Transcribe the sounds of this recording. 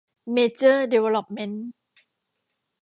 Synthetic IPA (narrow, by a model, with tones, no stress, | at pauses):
meː˧t͡ɕəː˥˩de˧we˧lɔ˧˩p̚me˦˥n